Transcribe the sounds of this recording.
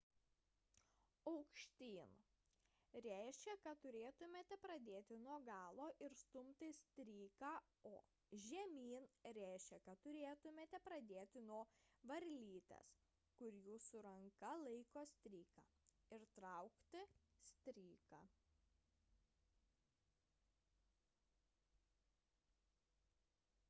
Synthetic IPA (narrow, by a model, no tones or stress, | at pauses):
ɐʊkʃʲt̪ʲiːn | ɾʲæˑɪʃʲkʲɛkɐt̪t̪ʊɾʲeːt̪ʊmʲeːt̪ʲɛpɾɐd̪ʲeːt̪ʲɪnuɔɡɑːlˠoːʔɪɾst̪ʊmʲt̪ʲɪsʲt̪ʲɾʲiːkɑː | oː | ʒʲɛmʲiːnɾʲæˑɪʃʲkʲɛkɐt̪t̪ːʊɾʲeːt̪ʊmʲeːt̪ʲɛpɾɐd̪ʲeːt̪ʲɪnuɔʋɐɾʲlʲiːt̪ʲɛ̰s | kʊɾʲjuːsʊɾɐŋkɐlˠɐɪkoːsʲt̪ʲɾʲiːkaː | ɪɾt̪ɾɐʊkt̪ʲɪsʲt̪ʲɾʲiːkaː